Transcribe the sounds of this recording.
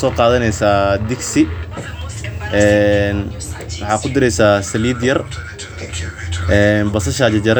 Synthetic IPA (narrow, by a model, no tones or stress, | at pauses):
sɔːqɑːðɐnɛjsaːd̪ɪksɪ | ʔɛːn | wɑħɑːkʰʊd̪ɪɾɛjsaːsɐliːd̪jɐr | ɛːnbɐsɐʃaːt͡ʃɐd͡ʒɐɾ